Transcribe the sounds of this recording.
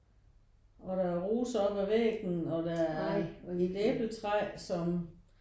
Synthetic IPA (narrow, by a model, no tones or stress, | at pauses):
ɒ̽ɾ̥ææɐʁuːsɒb̥æʋeɡ̥nɒ̽d̥ææɐeleb̥lət͡sʰʁasɒ̽m